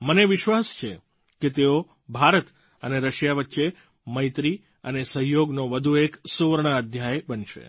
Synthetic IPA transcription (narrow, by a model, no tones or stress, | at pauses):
məneʋɪʃʋast͡ʃʰe | ket̪eo | bʱaɾət̪ | əneɾəʃjaʋətːʃe | məjt̪ɾi | ə̰nesəɦjoɡnoʋəd̪ʱueksuʋəɾɳ̃əəd̪ʱjajbənʃḛ